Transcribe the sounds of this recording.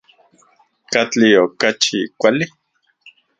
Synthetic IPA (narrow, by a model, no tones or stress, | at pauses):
kat͡ɬiokat͡ʃikʷali